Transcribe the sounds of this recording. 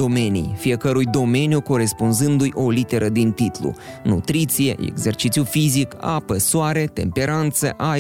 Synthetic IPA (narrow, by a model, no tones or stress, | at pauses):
o̞me̞nḭjfije̞kəɾujd̪o̞me̞njuko̞ɾe̞spunzɨnd̪ujʔo̞lit̪e̞ɾəd̪int̪it̪lṵnṵt̪ɾit̪sije̞̰ʔḛɡze̞rt͡ʃit̪sjufizika̰pəsoaɾe̞t̪e̞̰mpe̞ɾant̪sə̰ʔa